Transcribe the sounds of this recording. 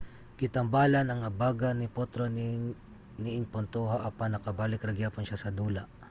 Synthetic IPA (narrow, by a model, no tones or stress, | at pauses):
kɪt̪ɐmbaːlɐnɐŋɐbaɡɐnɪpot̪ɾon | nɪʔɪŋpont̪oɦaʔɐpaŋnɐkɐbaːlɪkɾɐɡjaːpʊnʃasɐd̪uːlɐʔ